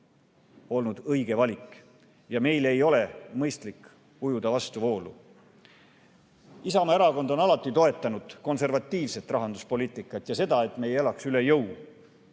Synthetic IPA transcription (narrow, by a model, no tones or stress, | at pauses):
o̞lnud̪̥ɤjɡ̥e̞vɑlʲikˑ | jɑme̞jle̞jo̞le̞mɤjst̪lik | kujud̪̥ɑvɑst̪uvo̞ːlṵ | isɑmɑeɾɑko̞nd̪̥o̞nɑlɑt̪ːˑit̪o̞e̞t̪ːˑɑnud̪̥ko̞nse̞rvɑt̪ːˑiːvse̞t̪ːˑrɑɦɑnd̪uspo̞liːt̪ːˑikːˑɑt̪ːˑjɑse̞d̪̥ɑe̞t̪me̞jelɑksylejɤw